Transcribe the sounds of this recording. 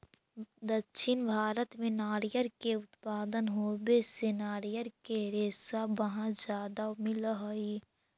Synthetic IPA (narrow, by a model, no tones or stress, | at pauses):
d̪əkːʃʰɪnbʱaːɾət̪mẽnaːɾijəɾkeʊt̪paːd̪ənɦoːbesɪnaːɾijəɾkeɾeːsabɐɦãd͡ʒjaːd̪amɪlɦoi